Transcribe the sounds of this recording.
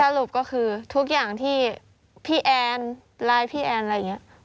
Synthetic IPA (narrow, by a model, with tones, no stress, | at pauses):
a˧ɾu˨˩p̚kɔː˥˩kʰɯː˧t̪ʰu˦˥k̬̚jaː˨˩ŋt̪ʰiː˥˩ | pʰiː˥˩ʔɛː˧n | laː˦˧˥jpʰiː˥˩ʔɛː˧n˧ja˨˩ŋːi˦˥ʔ